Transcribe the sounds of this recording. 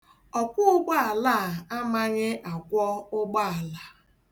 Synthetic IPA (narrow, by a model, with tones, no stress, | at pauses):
ɔ˨kʷʊ˦ʊ˦ɡ͡ba˦a˨la˦˨a˦ma˦ɲɪ˦ʔa˨kʷɔ˦ʊ˦ɡ͡ba˦˨a˨la˨